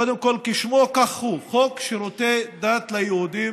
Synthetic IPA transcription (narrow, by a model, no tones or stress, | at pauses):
od̪emkolkiʃmokaχhuχokʃeɾot̪ed̪at̪lajehud̪i